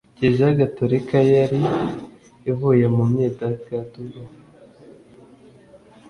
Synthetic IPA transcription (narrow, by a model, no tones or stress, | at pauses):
ɟeʒaɡatoɾikajaɾiː | vujemumɲedaɡaduβa